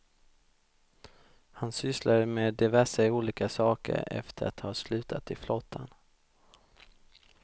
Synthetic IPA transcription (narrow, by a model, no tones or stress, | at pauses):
hansʏslaɾmeːd̪ɪvæʂaɪuːliːkasɑːkə̰ɾɛ̰ft̪ʰəɾa̰t̪hɑːslʉ̟ːt̪ʰat̪ɪflɔt̪ʰːan